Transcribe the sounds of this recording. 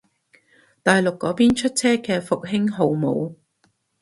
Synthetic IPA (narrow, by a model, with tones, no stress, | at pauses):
t̪aː˨jlʊ˨kːɔː˨˥piː˥nt͡ʃʰɵ˥t̚t͡sʰɛː˥kɛː˧fʊ˨k̚ɦɪ˥ŋɦo˨˧wmo̰˨˧w